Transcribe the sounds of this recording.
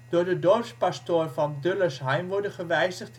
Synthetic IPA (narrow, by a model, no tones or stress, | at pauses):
d̥ʊːɹdədorfspastoːrfɔndøləsɦɛjmʋɔɹdəχəʋɛjzəχt